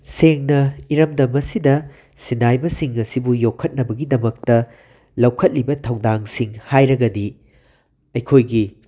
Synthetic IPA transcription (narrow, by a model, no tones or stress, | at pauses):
seŋnɐiɾɐmdɐmɐsidɐ | sinajbɐsiŋɐsibujokʰːɐt̚nɐbɐɡidɐmɐk̚tɐ | lɐwkʰɐt̚libɐtʰɐwdaŋsiŋhajɾɐɡɐdi | ɐjkʰojɡi